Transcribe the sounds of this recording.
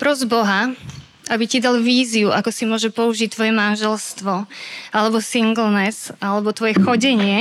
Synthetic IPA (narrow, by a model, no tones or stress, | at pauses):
pɾɔzbɔɦa | ʔabicid̪alʋiːziuʔakɔsimʊɔʒɛpɔuʒic̚t̪ːʋɔjɛmanʒɛlst̪ʋɔalɛbɔsiŋɡl̩nɛzʔalɛbɔt̪ʋɔjɛxɔɟɛɲɪɛ